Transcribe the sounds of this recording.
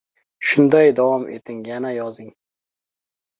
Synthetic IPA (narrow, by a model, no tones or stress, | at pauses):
ʃʊnd̪ajd̪awɒmʔḛt̪ʰɪŋjanajɒzɪŋ